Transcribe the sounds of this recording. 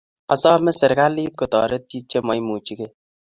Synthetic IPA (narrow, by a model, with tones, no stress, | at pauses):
ɔ˨sɔ˦mɛ˦sɪ˨ɾka˦liː˦t̚ko˨tɔ̰˨ɾe˦ti˦t͡ʃe˦mɔ˨jmu˨t͡ʃi˦ke˦